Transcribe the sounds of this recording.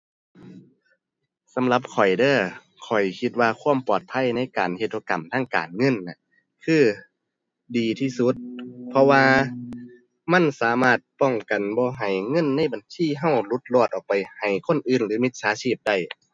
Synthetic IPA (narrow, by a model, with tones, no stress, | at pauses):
sa˨˦mla˧˦p̚kʰɔ˨˩jdɤː˧˥˩ | kʰɔ˨˩jkʰi˧t̪̚waː˧kʰu˧˥ə˨mpɔː˧˩t̪̚pʰa˧˥˨jna˧˥˨jka̰ː˨nhe˧t̪̚ʔo˧ka̰˨˩mt̪ʰaː˧˥˨ŋka̰ː˨˩nŋɤ˧˥˨nna˧˩ | kʰɯː˧˥˩ | diː˨˩t̪ʰiː˧˩su˧˥t̪̚pʰɔ˧waː˧ | ma˧˥˨nsaː˨˦maː˧˥˩t̪̚pɔ˧˩ŋka˨˩nbɔː˧ɦa˨˩jŋɤ˧˥˨nːa˧˥˨jba˨nsiː˧˥˨ɦa˧˩wlu˧˦t̪̚lɔː˧˩t̪̚ʔɔː˨˩k̚pa˨jha˨˩jkʰo˧˥˨nʔɯː˧˩nlɯː˨˦mi˧t̪̚saː˨˦siː˧˩p̚da˧˩j